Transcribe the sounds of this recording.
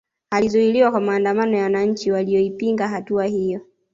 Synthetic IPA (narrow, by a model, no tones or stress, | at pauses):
alizuiliwakwamaːndamanɔjawanaɲ̩t͡ʃiwaliɔipiŋɡaɦatuahijɔ